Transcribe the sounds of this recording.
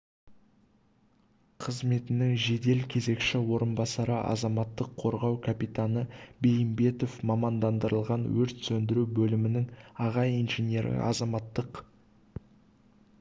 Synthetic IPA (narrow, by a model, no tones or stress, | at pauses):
qʰəzme̞t̪ɪnɪŋʒe̞d̪e̞lkʲʰe̞ze̞kʃɪwo̞ɾənbɑsɑɾəʔɑ̰zɑmɑt̪ːəqʰo̞ɾʁɑwkʰapit̪anəbe̞jɪmbe̞t̪o̞fmɑmɑnd̪ɑnd̪əɾəlˠʁɑnwɵɾt̪sɵnd̪ɪɾubɵlɪmɪnɪŋɑʁɑjijnʒenʲe̞ɾɪ̰ʔɑ̰zɑmɑt̪ːəq